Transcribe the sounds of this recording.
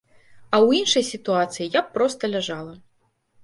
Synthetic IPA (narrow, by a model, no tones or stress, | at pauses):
ɐwinʂɐjsʲit̪uat̪sɨjijapːɾɔst̪ɐlʲaʐalˠɐ